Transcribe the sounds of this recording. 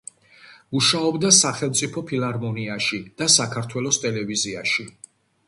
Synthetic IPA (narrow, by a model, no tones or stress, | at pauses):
muʃaɔbd̪asaχɛlˠmt̪sʼipʰɔpʰilˠaɾmɔniaʃid̪̥asakʰaɾt̪ʰwɛlˠɔst̪ʼɛlɛviziaʃi